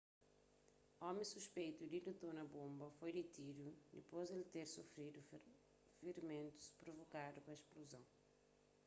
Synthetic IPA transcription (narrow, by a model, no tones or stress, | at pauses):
ɔmẽsuʃpejt̪ud̪id̪ut̪onɐbõmbɐfojd̪it̪id̪ud̪ipozd̪elt̪eɾsufɾid̪u | fiɾmẽnt̪u̥spɾovokad̪upɐeʃpluzɐ̃w̃